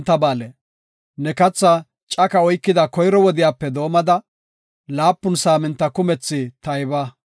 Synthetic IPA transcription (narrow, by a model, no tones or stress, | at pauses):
t̪ːɐbaːlɛ | nɛkɐt͡sːa | t͡ʃʼɐkɐɔjkːɪd̪ɐkɔjɾɔwɔd̪ɪjaːpːɛd̪o̞ːmɐd̪ɐ | laːpːʊnsaːmɪnt̪ːɐkʊmɛt͡sːɪt̪ɐjbɐ